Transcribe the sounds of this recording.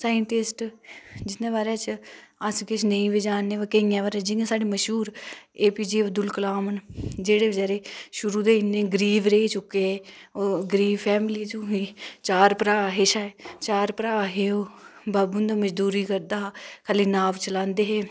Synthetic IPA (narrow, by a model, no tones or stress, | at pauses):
saːəɳʈɪsʈd͡ʒɪt̪nẽːbaːɾeaːt͡ʃəskɪt͡ʃʰnə̃ĩːʋed͡ʒaːnːeːʋəkeĩːãːbaːɾeːd͡ʒɪŋɡẽsaːɖeːməʃɦuːɾeːpiːd͡ʒiːəbd̪ʊlkəlaːmənd͡ʒeːɽeːəd͡ʒɛːɾeːʃʊɾuːd̪eːɪnːeːɡəɾiːʋɾeːiːt͡ʃʊkːeeːoːɡɾiːʋpʰɛːmliːt͡ʃuɦiːt͡ʃaːɾpɾaːɦeːʃaːet͡ʃaːɾpəɾaːɦeːoːbaːbund̪aːməd͡ʒd̪uːɾiːkəɾd̪aːkʰaːliːnaːʋt͡ʃəlãːnd̪eːɦeː